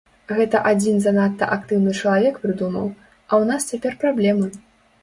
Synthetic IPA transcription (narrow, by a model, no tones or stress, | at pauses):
ɣɛt̪ɐʔad͡zʲinzanat̪ːɐ̰ʔakt̪ɨwnɨt͡ʂɐlˠavʲɛkpɾɨd̪umɐ̰w | ɐwnast͡sʲapʲɛrpɾablʲɛmɨ